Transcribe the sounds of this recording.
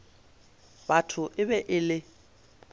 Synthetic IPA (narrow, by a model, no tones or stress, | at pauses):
batʰʊʔɪbɛʔɪlɪ